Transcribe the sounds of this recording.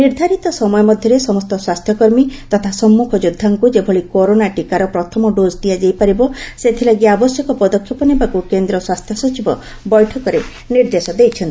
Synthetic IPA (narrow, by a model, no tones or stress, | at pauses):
niɾd̪ʱaɾit̪ɔsɔmɔjɔmɔd̪ʱjɔɾesɔmɔst̪ɔswast̪ʰjɔkɔɾmit̪ɔt̪ʰasɔmːukʰɔd͡ʒud̪ʱːaŋkud͡ʒebʱɔɭikoɾonaʈikaɾɔpɾɔt̪ʰɔmɔɖod͡ʒd̪iad͡ʒajpaɾibɔset̪ʰilaɡiabɔsjɔkɔpɔd̪ɔkʰːjɔpɔnibakukend̪ɾɔswast̪ʰjɔsɔt͡ʃibɔ | bɔjʈʰɔkɔɾe | niɾd̪esɔd̪ejt͡ʃʰɔnt̪i